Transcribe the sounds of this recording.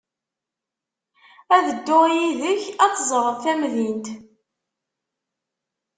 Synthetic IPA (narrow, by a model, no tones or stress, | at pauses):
æðəd̪ːʊʁjiðəçɑt̪ːzˤəɾˤəðθæmðint̪